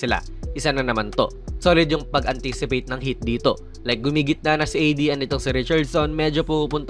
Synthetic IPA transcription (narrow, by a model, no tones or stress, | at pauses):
ɪla̰ | ʔɪsanɐnɐmant̪o̞̰ | soːlɪd̪jʊŋpɐɡʔɐnt̪isɪpejt̪̚nɐŋɦit̪̚d̪iːt̪o̞ | lɐjk̚ɡʊmiːɡɪt̪̚nɐnɐsɪʔɐjd̪iʔɛnːɪt̪oŋsɪɾɪt͡ʃɐɹd̪sonmɛːd͡ʒo̞pupupʊnt̪